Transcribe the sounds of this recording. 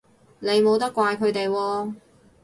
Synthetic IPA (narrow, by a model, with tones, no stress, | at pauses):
ne˨˧jmo˨˧wt̪ɐ˥kːʷwaː˧jkʰɵ˨˧ɥt̪e˨jwɔː˧